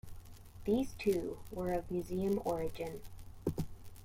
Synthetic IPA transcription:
ðiz̥tʰʉwə˞ʌvmjʉziɨ̃mɔɹɨd͡ʒɨ̃n

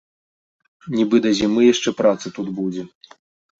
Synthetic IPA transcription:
nʲibɨd̪ɐzʲimɨjaʂt͡ʂɛpɾat̪sɨt̪ud̪bud͡zʲɛ

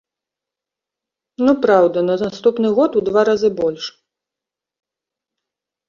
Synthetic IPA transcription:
nupɾawd̪ɐnɐnast̪upnɨɣɔt̪ud̪vaɾazɨbɔlʲʂ

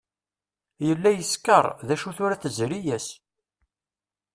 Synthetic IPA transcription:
jəlːæjəskəɾˤðæʃuθʊɾæθəzɾijæs

